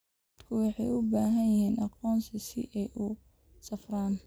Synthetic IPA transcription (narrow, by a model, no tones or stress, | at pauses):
d̪ɐd̪̥kʰʊwɑħɑjʊbaːɦɐjjɪɦɛːnʔɑqɔːnsɪsɪ̰ʔɛjʔʊ | sɐfraːn